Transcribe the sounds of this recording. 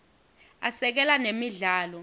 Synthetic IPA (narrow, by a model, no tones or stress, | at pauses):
asɛk̬ɛlanemiɮaːlɔ